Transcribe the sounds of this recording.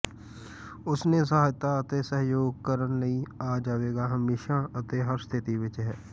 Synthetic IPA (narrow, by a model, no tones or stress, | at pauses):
ʊsneːs̬əɦaːjt̪aːət̪eːsəɦjoːɡ̚kəɾənləiːaːd͡ʒaːʋeːɡaːɦəmeːʃaːət̪eːɦəɾst̪ʰɪt̪iːʋɪt͡ʃɦɛː